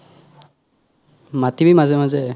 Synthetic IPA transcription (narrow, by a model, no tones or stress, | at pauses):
matibimazɛmazɛ